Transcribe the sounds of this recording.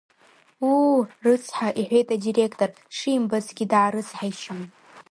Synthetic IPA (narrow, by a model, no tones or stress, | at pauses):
urɨt͡sʰħaʔiħʷe̞jtʼadire̞kʰtʼor | ʂiːmbazɡʲidʕaɾɨt͡sʰʼħaiʃam